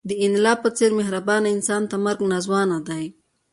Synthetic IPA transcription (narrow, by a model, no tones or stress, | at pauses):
d̪əɪnlɑpət͡seɾmɪɦɾabɑnaɪnsɑnt̪aməɾɡnazwɑnad̪aj